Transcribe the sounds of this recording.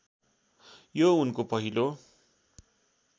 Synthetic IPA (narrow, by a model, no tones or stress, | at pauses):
jounkopʌɦilo